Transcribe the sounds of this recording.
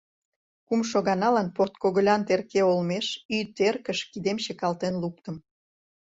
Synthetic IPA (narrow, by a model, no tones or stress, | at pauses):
kumʃoɣɑnɑlɑnpot̪koɣə̆lʲɑnt̪erkeolmeʃyt̪erkəʃkid̪emt͡ɕekɑlt̪enluk̚t̪ə̆m